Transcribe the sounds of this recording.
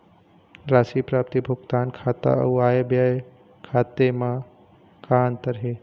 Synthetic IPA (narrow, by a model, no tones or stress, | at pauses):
ɾaːsipɾaːp̚t̪ibʱʊɡt̪aːnkʰaːt̪a̰ə̰uaːjebjaj | kʰaːt̪emã | kaːnt̪əɾɦe